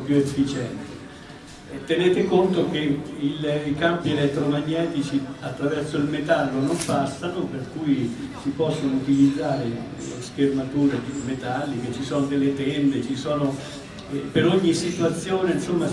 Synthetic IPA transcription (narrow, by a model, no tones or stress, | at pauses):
pjuefːit͡ʃɛnt̪e | t̪enɛːt̪ɪkont̪ok̟eilikampiɛlɛt̪ːɾomaɲːɛːt̪it͡ʃiat̪ːɾavɛrsoilmet̪alːonompast̪anoperkujsipɔsːonout̪ilid̪zːaːɾe | lskermat̪uːɾed̪imet̪alːik̟et͡ʃːisɔːnod̪elːet̪ɛnd̪et͡ʃisɔːno | peɾoɲːisːit̪uat̪sːjoːneinsomːa